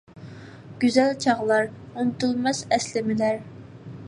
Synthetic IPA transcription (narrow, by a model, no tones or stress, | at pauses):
ɡ̥ʲyzælt͡ʃʰɑʁlˠɑɾunt̪ʰulˠmɑsɛslɪmɪlæɾ